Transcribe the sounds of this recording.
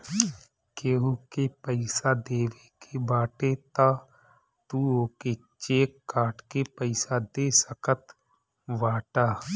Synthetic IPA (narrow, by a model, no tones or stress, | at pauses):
keːɦukepəɪsad̪eːʋekʰebaːʈet̪aː | t̪uoːke | t͡ʃeːkːaːʈkepəɪsad̪eːsəkət̪ | ʋaːʈaː